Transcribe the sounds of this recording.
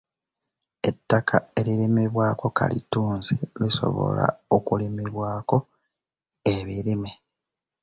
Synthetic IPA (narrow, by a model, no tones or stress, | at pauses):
e̞tːakʰae̞ɾiɾimiβwaːko̞ka̰lituːnziliso̞̰βo̞̰la̰okulimiβwaːko̞ | eβiɾime